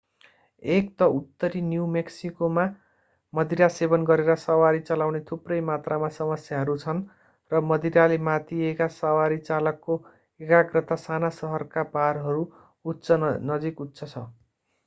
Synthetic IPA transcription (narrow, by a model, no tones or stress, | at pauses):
ekt̪ʌut̪ːʌɾinjuwmeksikoma | mʌd̪iɾasebʌnɡʌɾeɾʌsʌwaɾit͡sʌlawnet̪ʰuprʌjmat̪ramasʌmʌsjaɦʌɾut͡sʰʌn | rʌmʌd̪iɾalemat̪iekasʌwaɾit͡salʌkːo | ekaɡrʌt̪asanasʌɦʌrkabarɦʌɾuː | t̪t͡sʰʌnʌd͡zikut̪sʰʌt͡sʰʌ